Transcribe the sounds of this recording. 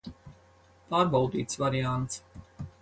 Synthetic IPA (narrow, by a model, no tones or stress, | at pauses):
paːɾbawd̪iːt̪svaɾiant̪s